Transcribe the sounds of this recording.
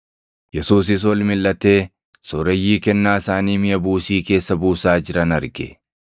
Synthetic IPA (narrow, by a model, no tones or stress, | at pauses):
jɛsuːs̬ɪs̬wɔlmɪlːɐt̪e̞ː | sɔɾɛjːiːkɛnːaːɪsaːniːmɪjɐbuːsiːke̞ːsːɐbuːsaːd͡ʒɪɾɐnɐɾɡɛ̰